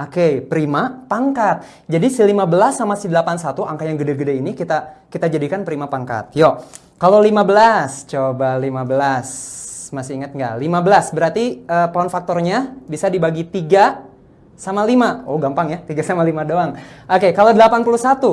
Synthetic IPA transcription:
okepəɾimapaŋkat̪̚ | d͡ʒadisəlimabəlasːamasədəlapansat̪uʔaŋkajaŋɡədeɡədeinikit̪akit̪ad͡ʒadikanpəɾimapaŋka̰t̪̚jo | kalolimabəlast͡ʃobalimabəlasmasiiŋət̪̚ŋɡa̰ʔlimabəlasbəɾart̪iəːpaɔnfak̚t̪ɔrɲabisadibaɡit̪iɡa | samalimaoɡampaŋjat̪iɡasamalimadoaŋokekalodəlapanpulusat̪u

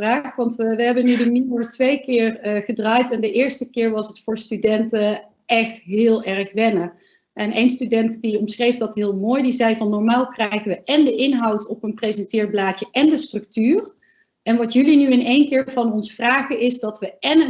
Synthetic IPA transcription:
raːχʋɑntʋʋəɦɛbənydəniməɹtʋejkɪːrəχədraːjtɛndəʔɪːɹstəkɪːɹʋɑsətfʊːɹstydɛntə | ɛxtɦɪːlˠɛrχʋɛnə | ʔɛnʔejnstydɛntdiɔmsχrejfdɑtɦɪːlˠmoːjdizɛjvɑnːɔɹmaːlˠkrɛjχəʋəʔɛndəʔɪnɦɑwtɔpənprejzɛntɪːɹblaːt͡ʃəʔɛndəstrɵk̚tyːr | ɛnʋɑtjɵlinyɪnejnkɪːɹvɑnɔnsfraːχəɪzdɑtʋəɛnə

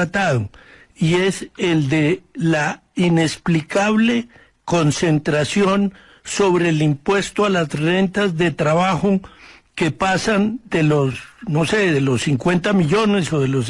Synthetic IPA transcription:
at̪aðo | ie̞seld̪ela | ine̞splikaβle̞ | ko̞nsent̪ɾasjo̞n | so̞βɾe̞ːlimpwe̞st̪oalasre̞nt̪azðe̞t̪ɾaβaxoke̞pasand̪e̞losno̞seðelo̞siŋkwe̞nt̪amiʎone̞so̞ðelos

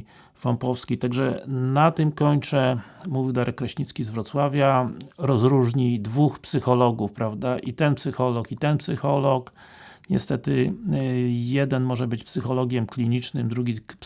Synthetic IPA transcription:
fampɔfskʲijt̪aɡʐɛnat̪ɘmkɔɲt͡ʂɛmuvʲiwd̪aɾɛkːɾaɕɲit̪skʲizvɾɔt̪swavʲjaɾɔzɾuʐɲid̪vuxpsɘxɔlɔɡufpɾavd̪aʔit̪ɛnpsɘxɔlɔkit̪ɛnpsɘxɔlɔk | ɲɛ̰st̪ɛt̪ɘ | jɛd̪ɛnmɔʐɛbɘt͡ɕpsɘxɔlɔɡʲjɛmklʲiɲit͡ʂnɘmd̪ɾuɡʲi

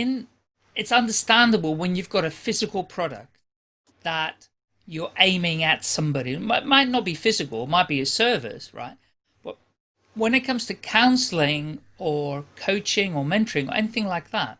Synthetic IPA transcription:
ɨ̃n | ɨtsʌ̃ndə˞stæ̃ndəbl̩ˠwə̃njʉvɡɑɾɨfɪzɨkl̩ˠpʰɹ̥ɑɾɨ̰k̚t | ðət͡ʃ | ə˞ʔẽɪ̃mɪ̃ŋɨtsʌ̃mbɑɾimaɪtmaɪtⁿnət̚b̥ifɪzɨkl̩ˠtmaɪt̚b̥iɨsɜ˞vɪ̰sɹa̰ɪt̚ | b̥ʌ̰t̚ | wə̃nɨt̚kʰʌ̃mz̥tʰɨkʰãʊ̃nsl̩ˠɪ̃ŋ | ə˞kʰoʊt͡ʃɪ̃ŋə˞mɛ̃ntʰə˞ɪ̃ŋə̰˞ʔɛ̰niθɪ̃ŋlaɪk̚ðæ̰t̚

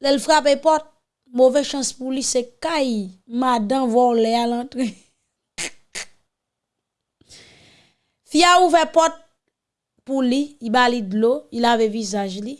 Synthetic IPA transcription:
lɛlfʁap̬epɔt̚ | movɛʃãspulisekajmadãvwaolɛalãtɣe | fiauvɛpɔt̚ | puliːbalidloilavevizaʒli

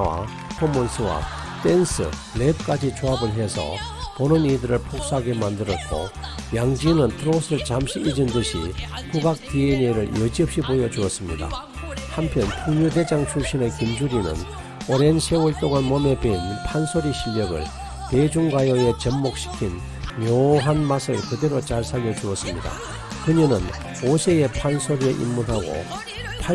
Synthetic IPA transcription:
wa̰ | pʰomːoɭs͈ʰɯwa̰ | t͈ensʰɯ̰ | lep̚k͈ad͡ʑit͡ɕoabɯɭɦe̞sʰʌ̰ponɯnidɯɾɯɭpʰok̚s͈aaɡe̞mandɯɾʌt̚k͈o̰jaŋd͡ʑinɯntʰɯɾosʰɯɭt͡ɕamɕʰiʔid͡ʑɯndɯɕʰḭkuɡak̚tieneɾɯɭjʌd͡ʑiʌp̚ɕ͈ibojʌd͡ʑuʌs͈ɯmɲida̰ | hampʰjʌntʰoŋɲuded͡ʑaŋt͡ɕʰuɕ͈inekind͡ʑuɾinɯ̰n | oɾe̞nsʰeuɭt͈oɡanmʌme̞benpʰansʰoɾiɕʰiʎːʌɡɯ̰ɭ | ted͡ʑuŋɡwajoe̞t͡ɕʌmːok̚ɕ͈ʰi̥kʰin | mjoɦanmasʰɯɭkɯde̞ɾot͡ɕaɭsʰaʎːʌd͡ʑuʌs͈ɯmɲida̰ | kɯɲinɯn | osʰee̞pʰansʰoɾieʔḭmːunɦaɡo̰ | pʰa

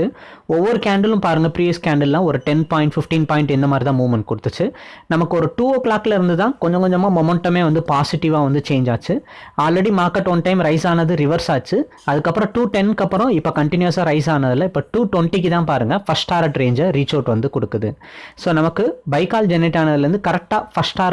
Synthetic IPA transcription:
ɯ | ɔʋːɐɾɯkaːɳɖɐlɯ̃mpaːɾɯŋɡɐpɾiːʋiskaːɳɖɐllãːɔɾɯʈɛnpaːɪ̃ɳʈfɪfʈiːnpaːɪ̃ɳʈɛnd̪ɐmaːd̪ɾit̪ãːmuːʋmɐɳʈ̚kɔɽɯt̪ːɯt͡ʃːɯnɐmɐkːɯɔɾɯʈuːoːklaːkːɪlɐɪɾɯnd̪ɯt̪ãːkɔɲd͡ʒɔ̃kɔɲd͡ʒɐmaːmɔmɛɳʈːɐmeːʋɐnd̪ɯpaːsɪʈɪʋaːʋɐnd̪ɯt͡ʃeːɲd͡ʒaːt͡ʃːɯaːlɾɛɽimaːɾkɐʈːɔnʈɐɪmɾɐɪsaːnɐðɯɾɪʋɐɾsaːt͡ʃːɯ | ɐðɯkːɐpːɾɔ̃ʈuːʈɛnkɐpːɯɾɔ̃ɪpːokɐɳʈɪnjʊɐsaːɾɐɪs̬aːnɐðɪlːɐɪpːoːʈuːʈwɛɳʈik̬ːɯt̪ãːpaːɾɯŋɡɐfɐsʈaːɾɐʈɾeːɲd͡ʒɐɾɾiːt͡ʃoːɾʈʋɐnd̪ɯkɔɽɯkːɐðɯ | soːnɐmɐkːɯbɐɪkaːld͡ʒɛnɪʈːaːnɐðɪlɾɯnd̪ɯkɐɾɛk̚ʈaːfɐsʈaːɾ

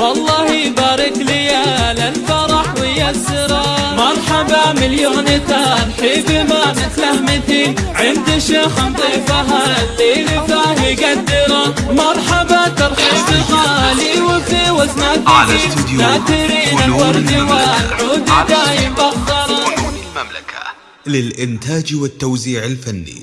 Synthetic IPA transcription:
wɑlˤːɑːhibaːɾˤɪklɪjalɪlfɑɾˤɑħwɪjasːɪɾɑmɑɾˤħɑbamɪljoːnɪt̪aɾħiːbɪmamɪt̪lahmɪt̪iʕɪnd̪ɪʃeːxɪnt̪ˤiːfaɦalːilɪfaːɦiɡad̪ːɪɾɑmɑɾˤħɑbat̪ɑɾˤħiːbɪɣaliwɪfiːwasmad̪ɪid̪aːd̪ɪɾiːnawɑɾˤd̪ɪwaʕuːd̪d̪aːjɪbɑɣd̪ɑɾˤɑ | a | lɪlʔɪnt̪aːd͡ʒwɪt̪ːawziːʕɪlfanːḭ

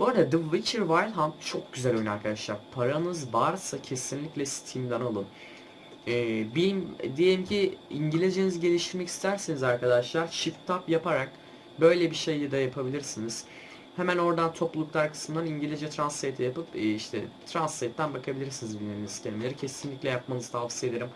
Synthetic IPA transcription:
bøːɾd̪ad̪ɯvit͡ʃʰiɾvajlʲˠɦamtt͡ʃʰo̞k̚ɟyzælʲøjnaɾkʰad̪aʃlˠaɾpʰaɾanɯzvaɾsacʰe̞sinlʲiclʲɛsi̥t̪ʰijimd̪analˠɯn | ɛːbilimd̪ijelʲimcʰiiɲɟilʲid͡ʒenizɟe̞lʲiʃt̪ʰiɾmɛcʰi̥st̪ʰæɾsenizaɾkʰad̪aʃlˠaɾt͡ʃʰift̪ʰapjapaɾak | bø̞jlʲɛbiʃe̞jːɛd̪ajapʰabilʲiɾsiniz̥ | hemæno̞ɾd̪ant̪ʰo̞plˠulˠuklˠaɾkʰɯ̥smɯnd̪aniɲɟilʲid͡ʒɛt̪ʰɾanset̪ʰijapɯpːiʃt̪ʰɛ̰t̪ʰɾansːet̪ːænbakʰabilʲiɾsinizbilʲmeniniz̥cʰelʲimelʲeɾicʰesinlʲiclʲɛjap̚manɯzɯt̪ʰavsije̞d̪eɾim

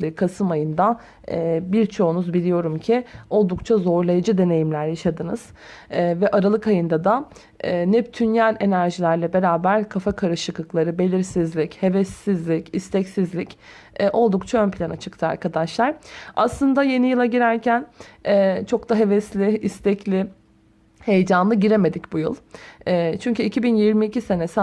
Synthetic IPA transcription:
ikʰasɯmajɯnd̪a | ɛːbiɾt͡ʃʰo̞unuzbilʲijo̞ɾumcʰio̞lˠd̪ukt͡ʃʰazo̞ɾlˠajad͡ʒɯd̪e̞ne̞jimlʲæɾjaʃad̪ɯnɯz̥ | vɛʔaɾalˠɯkajɯnd̪ad̪a | ɛːnɛp̚t̪ʰynjælʲe̞næɾʒilʲæɾlʲɛbe̞ɾaːbæɾkʰafakʰaɾɯʃɯklˠɯklˠaɾɯbe̞lʲiɾsizlʲiche̞vɛsːizlʲicist̪ʰɛcsizlʲic | ɛʔo̞lˠd̪ukt͡ʃʰaønpilʲanat͡ʃʰɯ̥kt̪ʰɯa̰ɾkʰad̪aʃlˠaɾ̥a̰slˠɯnd̪aje̞nijɯlˠaɟiɾæɾcʰænɛːt͡ʃʰo̞kt̪aɦe̞vɛslʲɪːst̪ʰɛclʲɪ | he̞jd͡ʒanlˠɯɟiɾe̞me̞d̪icbujɯ̰lˠɛːt͡ʃʰyɲcyicʰibinjiɾmiːcʰise̞nes

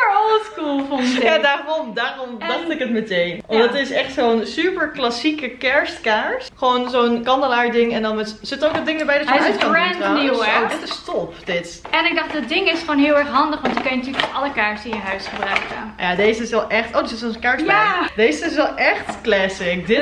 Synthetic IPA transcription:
əɔlˠskulˠfɔnjaːdaːɔmdaːrɔmʋɑnɪkətmətejnɔdɑtɪsɛχtsownsypəɹklasikəkɛɹstkaːɹsχəʋoːnzownkɑndəlaɹdɪŋɛndɑnmɛtz̥ɪtowkət̚dɪŋdəɹbɛjdɑssɹɛnanidɪtɪstɔpd̥ɪt | ɛnɪɡ̚dɑχtdɪt̚dɪŋɪsχʋoːnɦɪːlˠɛɹχɦɑndəχʋɑntəkønjənətyːlək̚oɑləkaːɹsɪ̃njəɦœɥsχəbrœɥkə̰jaːdejzəɪsɛlˠʔɛχtʔoːdɪsɪsɔskɛɹsadejzəɪs̬ɛlˠɛχtklɛsɪkdɪ

